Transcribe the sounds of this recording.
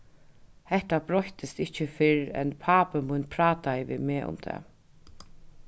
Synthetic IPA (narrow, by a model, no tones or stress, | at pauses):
hɛht̪abɾɔht̪ɪst̪ɪht͡ɕːəfɪɹɛ̰npʰaːpəmʊnpʰɾaːt̪aɪʋɪ̰meːʔʊ̰mt̪ʰɛ̰ː